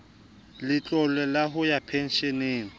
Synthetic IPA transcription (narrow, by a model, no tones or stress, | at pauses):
lɪt͡ɬʼɔlɛlaɦʊjapʰɛn̩ʃɛneːŋ̩